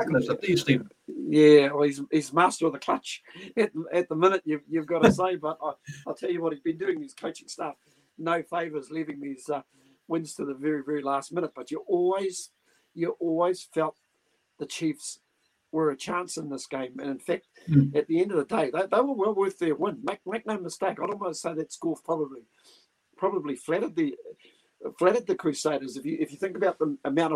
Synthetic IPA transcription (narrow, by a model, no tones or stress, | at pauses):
ækzəistiv | jæizhizmæstə˞ðɨkʰl̥ʌt͡ʃɨt̪̚ðəɨt̪̚ðəmɪ̃ñɨʔjʉvjʉvɡɑɾəseɪbʌɾaɪaɪlˠtʰɛlˠjɨwʌt̚hid̚bɨ̃ndʉɪ̃ŋðiz̥kʰoʊt͡ʃɪ̃ŋstʌf | noʊfeɪvə˞zlivɪ̃ŋðizʌ | wɪ̃nz̥tʰɨðɨvɛɹivɛɹilæst̚mɪ̃ñət̚b̥ʌt͡ʃɨʔɔlˠwiz̥ | jɨʔɔlˠwiz̥fɛlˠt̪̚ | ðɨt͡ʃʰifs | wə˞ɨt͡ʃʰæ̃nsɨ̃nðɪsɡ̥ẽɪ̃mɨ̃nɨ̃nfæk̚t̚ɨt̪̚ðiɛ̃ndʌvðɨdeɪðeɪðeɪwə˞wɛlˠwɜ˞θðə˞wɪ̃nmeɪk̚meɪk̚noʊməsteɪkaɪõʊ̃nmaɪɾseɪðɨtsɡ̥ɔlˠpʰɹ̥ɑbəbli | pʰɹ̥ɑbəbliflæɾɨd̪̚ði | flæɾɨd̪̚ðɨkʰɹ̥ʉseɪɾə˞zɨfjɨʔɨfjɨθɪ̃ŋkɨbaʊt̪̚ðəɨmãʊ̃ñ